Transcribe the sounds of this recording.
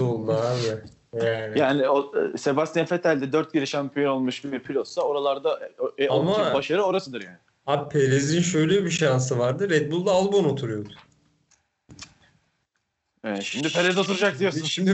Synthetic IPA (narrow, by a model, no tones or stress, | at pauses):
olˠːaaːbɪ | jaːnɪjaːnɪose̞bast̪janfet̪ʰalʲd̪ɛd̪øɾt̪̚ɟeɾiʃampʰijo̞no̞lˠmuʃbpʰilʲot̪sao̞ɾalˠaɾd̪aoalˠmabaʃaɾɯo̞ɾasɯd̪ɯɾja̰ːnɪ | abpʰeɾezinʃøjlʲɛbiʃans̬ɯvaɾd̪ɯɾɛt̪̚bulˠd̪aːlˠbo̞no̞t̪ʰuɾujo̞d̪ʊ̥ | ɛʃimd̪ipʰeɾɛzo̞t̪ʰuɾud͡ʒak̚d̪ijosuʃimd̪i